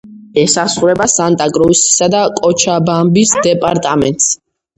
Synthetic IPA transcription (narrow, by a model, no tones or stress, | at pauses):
ɛsasχuɾɛbasant̪ʼaɡʼɾɔsi̥sad̪akʼɔt͡ʃʰabambisd̪ɛpʼaɾt̪ʼamɛ̰nt̪ʼs